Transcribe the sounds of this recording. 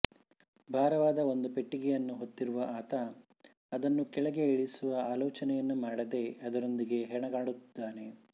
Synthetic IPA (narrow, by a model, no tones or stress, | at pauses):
bʱaːɾɐʋaːd̪ɐo̞nd̪upe̞ʈːiɡɛjɐnːuɦo̞t̪ːiɾuʋɐʔaːt̪ɐ | ɐd̪ɐnːukɛɭɐɡe̞ːɭisuʋɐaːlɔːt͡ʃɐnɛjɐnːumaːɽɐd̪e̞ɐd̪ɐɾo̞nd̪iɡe̞ɦɛɳɐɡaːɽut̪ːid̪ːaːne̞